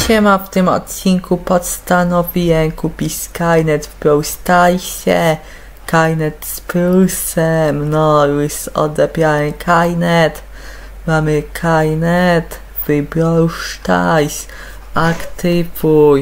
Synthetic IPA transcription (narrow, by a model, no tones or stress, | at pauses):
ɕɛmaft̪ɪmɔ̰t̪t͡ɕinkupɔt̪st̪anɔvʲiwɛmkupʲiskajnɛt̪vbɾɔwst̪ajɕɛ | kajnɛt̪splusɛmnɔjusɔ̰d̪ɛpʲjawɛmkʰajnɛt̪ | mamɘkʰajnɛt̪ | v̥ɨbɾɔwʂt̪a̰js | ʔakt̪ɘvuj